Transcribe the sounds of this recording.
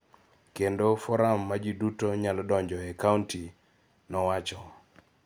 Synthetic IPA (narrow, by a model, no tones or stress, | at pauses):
kendofɔɾamːad͡ʒidutoɲalɔdɔɲd͡ʒɔɛkaunti | nɔwat͡ʃɔ